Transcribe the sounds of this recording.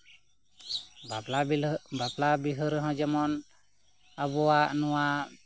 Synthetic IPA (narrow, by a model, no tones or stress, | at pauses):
baplabiɦəɾɦɔ̃d͡ʒɛmɔn | abɔwaʔnɔwa